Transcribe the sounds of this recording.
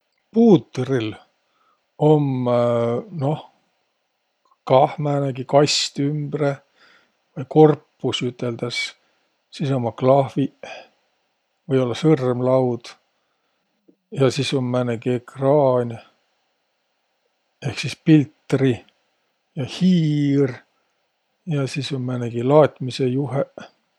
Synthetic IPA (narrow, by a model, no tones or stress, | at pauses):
puːt̪ːril | o̞m | no̞h | kɑhmæːneɡ̥ikɑjst̪ymb̥re | vɯjko̞rpːusyt̪ːˑe̞ld̪̥ɑs | sisomːɑklɑhvi | vɤjo̞lːɑsɤrmlɑwd̪̥ | jɑsisomːæːneɡiekrɑːnʲ | e̞hksispilt̪ːri | jɑhiːr | jɑsisomːmæːneɡ̥ilɑːt̪ˑmisejuɦe